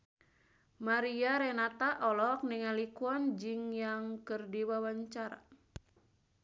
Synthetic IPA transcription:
maɾiaɾɛnat̪aʔɔlɔk̚niŋalikuɔnd͡ʒɨŋjaŋkɨrdiwawaɲt͡ʃaɾa̰

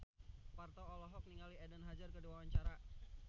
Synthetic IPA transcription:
part̪ɔːlɔɦɔk̚niŋaliɛdənɦad͡ʒarkəduawaɲt͡ʃaɾa

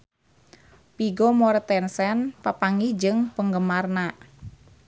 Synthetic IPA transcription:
piɡɔmɔɾt̪ɛnsɛnpapaŋihd͡ʒɨŋpəŋɡəmarna

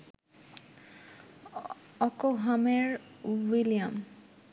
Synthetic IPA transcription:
ɔkoɦameɹwilijam

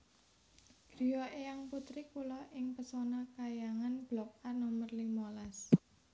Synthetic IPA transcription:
ɡ̥ɾijɔʔejaŋput̪ɾikulɔʔɪŋpəsɔnakajaŋanb̥lɔk̚arnomərlimolas

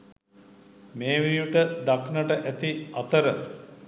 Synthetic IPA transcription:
meːʋijuʈəd̪aknəʈəʔæt̪iɐt̪əɾə

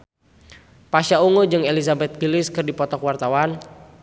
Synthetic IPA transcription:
paʃauŋud͡ʒɨŋelizabɛt̪̚ɡilɪskɨrdipɔt̪ɔkwart̪awan

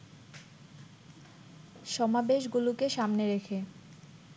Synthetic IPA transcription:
ʃɔmabeʃɡulokeʃamneɾekʰe

